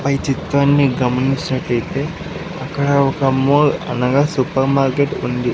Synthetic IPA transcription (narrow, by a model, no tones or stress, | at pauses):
pɐjt͡ʃit̪ʋaːnːiɡɐmɐniɲt͡ʃːɐnɐʈːɐjit̪e̞ː | ɐkːɐɽɐɔkɐmoːlɐ̰nɐɡaːsupɐɾmaːɾkeːʈṵnd̪i